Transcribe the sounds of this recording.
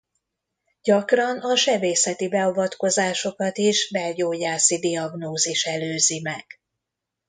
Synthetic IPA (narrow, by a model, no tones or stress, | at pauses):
ɟ̥ɒkrɒnɒʃɛbeːsɛt̪ibɛovɒt̪ko̞zaːʃo̞kɒt̪iʃbɛlɟoːjaːsid̪iɒɡnoːziʃɛløːzimɛɡ̥